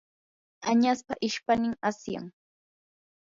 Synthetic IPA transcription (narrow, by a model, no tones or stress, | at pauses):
aɲaspaʔɪʃpanɪŋasja̰ŋ